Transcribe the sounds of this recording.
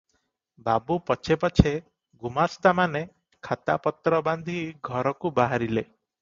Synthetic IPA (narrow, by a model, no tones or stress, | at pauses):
babupɔt͡ʃʰepɔt͡ʃʰe | ɡumast̪amane | kʰat̪a̰pɔt̪ɾɔband̪ʱiɡʱɔɾɔkubaɦaɾile